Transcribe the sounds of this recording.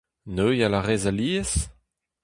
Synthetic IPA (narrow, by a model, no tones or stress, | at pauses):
nøjalaʁezaliːəs